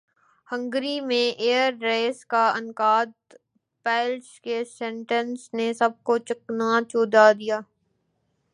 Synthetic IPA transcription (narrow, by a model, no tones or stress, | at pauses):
hə̃ŋɡɾimẽʔeːəɾːeːskaɐnkaːd̪̚ | pɛːlskesɛ̃ɳʈə̃nsnesɐb̚kot͡ʃəknat͡ʃoːd̪ad̪ijaː